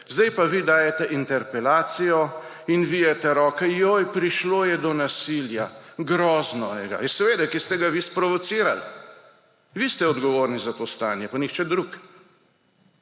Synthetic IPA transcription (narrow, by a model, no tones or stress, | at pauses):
zd̪ɛjpaʋid̪aːjɛt̪ɛʔint̪ɛɾpɛlaːt̪sijɔ | inʋijɛt̪ɛɾɔːkɛjoːjpɾiʃloːjɛd̪ɔnasiːljaɡɾɔːznɔɛɡa̰jɛsɛʋeːd̪akest̪ɛɡaʋispɾɔʋɔt̪siːɾa̰l | ʋist̪ɛɔd̪ɡɔʋoːɾnizat̪ost̪aːnjɛpanixt͡ʃɛd̪ɾuk